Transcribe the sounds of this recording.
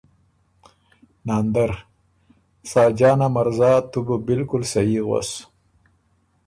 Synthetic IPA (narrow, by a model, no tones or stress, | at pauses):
naːnd̪aɾ | sɑːd͡ʒɑːnamaɾzɑːt̪uɡobɪlkʊlsajiɣwa̰s